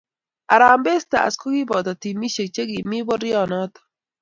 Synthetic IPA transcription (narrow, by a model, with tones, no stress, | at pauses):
a˨ɾa˨mbe˦sta̰˨a̰˨sko˦ɡi˦bɔ˨t̪ɔ˨ti˨mi˦ʃe˨t͡ʃe˦ɡi˨mi˦bɔ˦ɾjɔ˦˨nɔ˦t̪ɔ̥˨